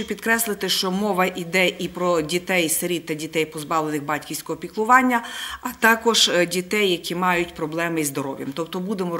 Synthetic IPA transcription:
ʊpʲid̪kɾɛslˠɪt̪ɪʃt͡ʃɔmɔʋɐʔid̪ɛʔipɾɔdʲit̪ɛjseɾʲit̪ːɐdʲit̪ɛjpɔzbɑʋlˠenɪxbɑtʲkʲiwsʲkɔɦɔpʲiklˠʊʋɑnʲːɐɐt̪ɑkɔʒdʲit̪ɛjːɐkʲʰimɑjʊtʲpɾɔblˠɛmɪzd̪ɔɾɔ̰ʋjɐ̰mt̪ɔpt̪ɔbud̪emɔ

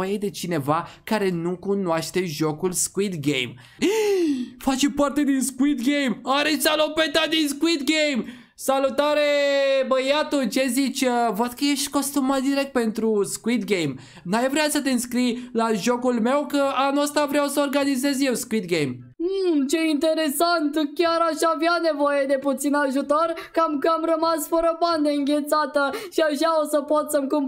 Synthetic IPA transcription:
jed̪e̞t͡ʃine̞vakaɾe̞nukunwaʃt̪e̞ʒo̞kulskuit̪ɡḛjm | fat͡ʃepart̪e̞d̪inskuit̪ɡejmaɾet͡ʃʲalopet̪ad̪inskuit̪ɡejm | salut̪aɾe̞bəjat̪ut͡ʃe̞zit͡ʃʲəvəd̪̥kəje̞ʃt̪ʲko̞st̪umat̪̚d̪iɾe̞k̚t̪̚pe̞nt̪ɾuskuit̪ɡe̞jm | najvɾeasət̪eɨnskɾijlaʒo̞kulme̞wkəanuəst̪avɾeawsəorɡanize̞zje̞wskuit̪ɡejm̩ | t͡ʃeint̪e̞ɾe̞sant̪kʲaɾaʃaaːvjane̞vo̞jed̪e̞put̪sinaʒut̪orkamkəamrəmasfəɾəband̪eɨŋɡʲe̞t̪sat̪əʃiaʃaosəpot̪səmkum

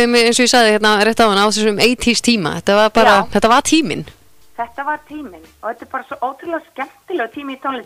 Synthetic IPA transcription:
mɪẽns̬ɔjɪsaɣðɪçjɛt̪naɾejht̪awvɪnaːwθɛsʏʏmeːjt̪ʰist̪ʰiːma̰θɛht̪ːavaɾpaːɾaθɛht̪ːavaɾt̪ʰiːmɪ̰n | θɛht̪avaɾt̪ʰiːmɪnɔɣɛt̪ɪɾpaːɾasɔʔoːwt̪ʰɾlɛɣaskcɛn̥t̪ɪlɛɣt̪ʰiːmɪit̪ʰɔlɪ

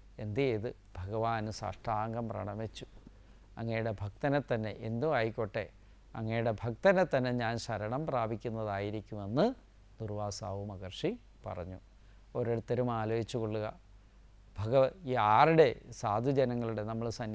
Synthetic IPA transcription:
e̞nd̪iiðɨ | bʱɐɣɐʋaːnusɐ̰ʂʈaːŋɡɐmprɐ̰ɳɐmet͡ɕːu | ɐ̰ŋːɐjuɽe̞bʱɐk̚t̪ɐnet̪ːɐnːe̞ʔend̪uʋaːjikʲːo̞ʈːe | ɐŋːɐjuɽe̞bʱɐkt̪ɐnet̪ːɐnːe̞ɲaːnɕɐɾɐɳɐmpraːbʱikʲːunːɐðaːjiɾikʲːume̞nːɨ | d̪urʋaːsaːʋumɐɣɐrʂi | pɐ̰rɐɲːu | o̞ɾeɽut̪ːɐɾumaːloːjit͡ɕːuko̞ɭːuɣɐ | bʱɐɣɐiaːriɽe̞saːd̪ʱud͡ʑɐnɐŋːɐɭuɽe̞nɐmːɐɭsɐn

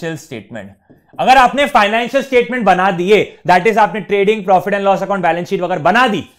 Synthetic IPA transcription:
əlsʈḛːʈ̚mḛ̃ɳʈ | ɐɡəɾaːpnefaːɪnɛ̃ːnʃəlsʈeːʈmẽɳʈ̚bɐnad̪ied̪ɛːʈɪzaːpneʈɾeːɖɪ̃ŋɡ̚pɾɔːfɪʈɛ̃nlɔːsɐkãʊ̃ɳʈ̚bɛːlə̃nsiːʈʋɐɡɛːɾbɐnad̪iː

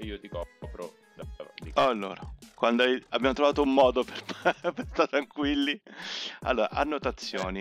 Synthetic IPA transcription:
iːot̪ikɔpɾo̰ | d̪aad̪iɔalːo̰ːɾakwand̪oajabːjamot̪ɾovaːt̪oumːɔːd̪operppest̪at̪ɾaŋkwilːia̰lːoːɾa̰ʔa̰nːot̪at̪sːjoːni

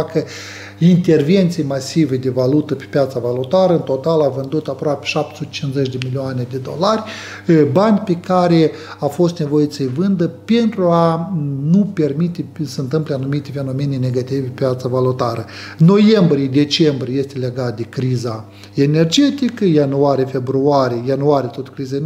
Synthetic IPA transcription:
akə | int̪e̞rve̞nt̪sijmasived̪e̞valut̪əpe̥pʲjat̪savalut̪aɾəɨnt̪o̞t̪alavɨnd̪ut̪apɾoapʲeʃap̚t̪e̥sut̪e̥t͡ʃinzet͡ʃʲd̪emilioaned̪e̞d̪o̞̰larʲ | banʲpekaɾe | afo̞st̪ne̞vo̞jit̪səvɨnd̪əpe̞nt̪ɾuanupe̞rmit̪esəɨnt̪ɨmpleanumit̪ʲefe̞no̞menene̞ɡat̪ivʲpepʲjat̪savalut̪aɾə | nːo̞je̞mbɾied̪e̞t͡ʃe̞mbɾʲieje̞st̪ele̞ɡat̪̚d̪e̞kɾiza | e̞ne̞rd͡ʒe̞t̪ikəjanuaɾijefe̞bɾuaɾiejanuaɾijet̪ot̪kɾiza

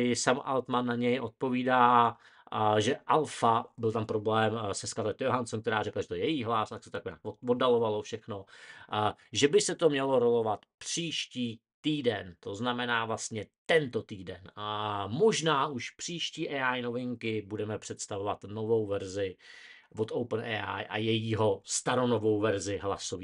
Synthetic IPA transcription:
ɪsamʔa̰lt̪manːaɲɛjʔo̞t̪̚po̞viːdaː | ʒɛʔalfabɪlt̪ampɾoblɛːmsɛskaɾlɛt̪joɦansomk̚t̪ɛɾaːrɛklaʒɛt̪jɛjɛjiːɦlast̪aksɛt̪oakɲa̰ːkovodalo̞valo̞fʃɛxno̞ | ʒɛbɪsɛt̪o̞mɲɛlo̞ɾo̞lo̞vat̪pr̥iːʃciː | t̪iːdɛnt̪o̞znamɛnaːvlast̪ɲɛt̪ɛnt̪o̞t̪iːdɛnmo̞ʒnaːʔuʃpr̝̥iːʃciːʔɛːʔajno̞vɪŋkɪbudɛmɛpr̥ɛt̪st̪avovat̪no̞vo̞wvɛɾzɪ | vot̪owpnɛ̰ːʔa̰jʔa̰jɛjiːɦo̞st̪aɾo̞novowvɛɾzɪɦla̰soviː

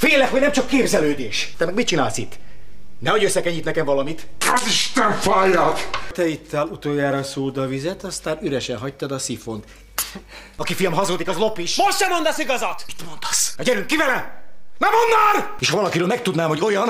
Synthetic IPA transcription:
feːlːɛkhoɟnɛmt͡ʃɒkːeːbzɛløːd̪eːʃɛmɛɡmit̚t͡ʃinaːlsḭt̪ːnɛho̞ɟøsːɛkɛɲːit̪nɛkɛɱvɒlɒmit̪ɛziʃt̪ɛɱfaːjɒkt̪ɛit̪ːɛlut̪oːjaːɾɒsuːd̪ɒvizɛt̪ɒst̪aːɾyɾɛʃɛnɦɒc̚t̪ːɒd̪ɒsifont̪ | ɒkifijlmɦɒzoːd̪ikɒzlo̞piʃmoʃt̪ʃɛmo̞nd̪ɒsiɡɒzɒt̪mi̥t̪mo̞nd̪̥ɒ̥sɒɟɛɾyŋkːivɛlɛnɛmonːɒn | eːʃhɒvɒlɒkiɾøːlmɛk̚t̪ud̪naːmho̞ɟo̞jɒn

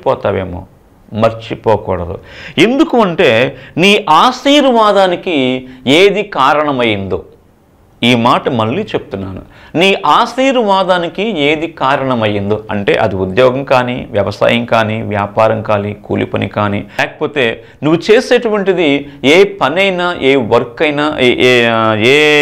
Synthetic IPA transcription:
pɔːt̪aːʋeːmo̰ː | mɐɾt͡ʃipɔːkṵːɽɐd̪ṵe̞nd̪ukuɐɳʈe̞ːniːʔaːsiːɾuʋaːd̪aːnikieːd̪ikaːɾɐɳɐmɐjind̪o | iːmaːʈɐmɐɭːiːt͡ʃe̞bu̥t̪unːaːnṵ | niːʔaːsiːɾuʋaːd̪aːnikieːd̪ikaːɾɐɳɐmɐjind̪oɐ̰ɳʈe̞̰ːʔɐ̰d̪iud̪jɔːɡɐmkaːnḭʋjɐʋɐsa̰ːjɐŋkaːniʋjaːpaːɾɐŋkaːlikṵːlḭpɐnḭkaːnḭɛːkɐ̥po̞ːt̪e̞ː | nuʋːut͡ʃe̞ːseːʈuʋɐɳʈid̪ieːpɐnɐjnaːʔeːʋɐɾkɐjnaː | eː

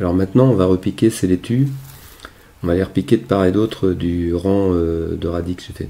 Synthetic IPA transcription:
alɔʁmɛ̃t̪nɑ̃ɔ̃vaʁəpikʲeselet̪ʰy | ɔ̃valeʁpikʲed̪paʁed̪ot̪χəd̪yʁɑ̃ød̪əʁad̪ikset̪ɛ

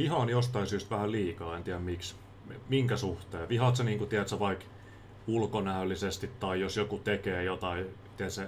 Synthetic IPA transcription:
ʋihɑːnjost̪ɑisyːst̪ʋæhælliːkɑːent̪iæmmiks | miŋkæsuht̪eːʋihɑt̪seniːŋkut̪iæt̪seʋɑik | ulkonæølːˑisest̪it̪t̪ɑijosjokut̪ekeːjot̪ɑi | t̪iæt̪se

